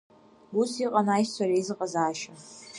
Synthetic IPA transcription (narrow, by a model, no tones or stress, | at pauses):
busiːqʼɐnaːjsɐɾeːzɨqʼɐzaːʃɐ